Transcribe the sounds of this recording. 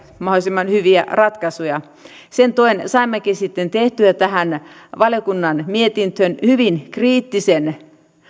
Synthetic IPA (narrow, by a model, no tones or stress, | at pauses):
mɑholisimːɑnhyʋiæ̰rɑt̪kɑsujɑ | sent̪oinsɑimːækisit̪ːent̪eht̪yæt̪æhæn | ʋɑljokunːɑnmiet̪int̪ønhyʋinkriːt̪ːisen